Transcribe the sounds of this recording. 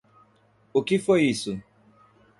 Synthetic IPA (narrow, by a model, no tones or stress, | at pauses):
okifojisu